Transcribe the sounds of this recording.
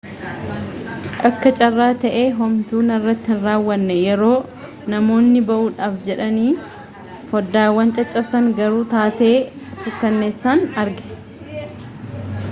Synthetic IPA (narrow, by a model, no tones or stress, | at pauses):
ʔɐkːɐt͡ʃʼɐrːaːt̪ɐʔe̞ːɦɔmt̪uːnɐrːɐt̪ːɪhɪnraːwːɐnːɛjɛɾo̞ː | nɐmo̞ːnːɪbɐʔuːᶑaːfd͡ʒɛᶑɐniː | fɔd̪ːaːwːɐnt͡ʃʼɐt͡ʃʼːɐbsɐŋɡɐɾuːt̪aːt̪e̞ː | sʊt̪ːɐnːeːsːaːnɐɾɡɛ̥